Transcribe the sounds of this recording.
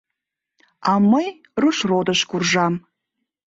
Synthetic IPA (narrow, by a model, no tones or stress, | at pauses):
aməj | rɨʃrod̪əʃkurʒɑm